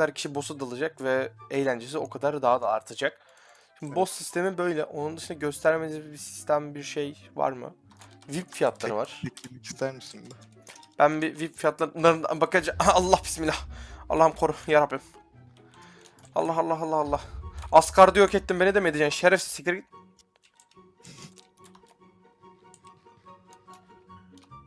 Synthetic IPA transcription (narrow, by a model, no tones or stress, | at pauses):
aɾcʰi̥ʃibo̞sud̪alˠɯd͡ʒakvɛejlʲænd͡ʒes̬io̞kʰad̪aɾd̪aːad̪a̰ːɾt̪ʰad͡ʒak | ʃind̪ibosːist̪ʰe̞mibø̞jlʲɛʔo̞nund̪ɯʃɯnd̪aɟøst̪ʰæɾmenizbisi̥st̪ʰæmbiɾʃejva̰ɾmɯ̰ | vipfijat̪ʰlˠaɾɯvaɾ̥ii̥st̪ʰæɾmisin | b̥ænbivipfijat̪lˠaunˠaɾɯnd̪a̰bakad͡ʒaalˠːahpʰi̥smilʲːahɑ̰lˠːahɯmkʰoɾujaɾaplʲˠɯm | ɑ̰lˠːɑɦɑlːɑɦɑlˠːɑhɑlˠːɑhaskʰaɾd̪ɯjokɛt̪ːimbeniɛd̪emejd̪id͡ʒaʃeɾɛfsi̥sʰɛcʰlʲeɾiɟit̪ː